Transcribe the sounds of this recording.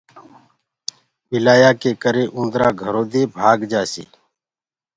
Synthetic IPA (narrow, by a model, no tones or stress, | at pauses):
bɪlaːjaːkeːkəɾeːʔũːnd̪ɾaːɡʱəɾoːd̪eːbʱaːɡd͡ʒaːsḛː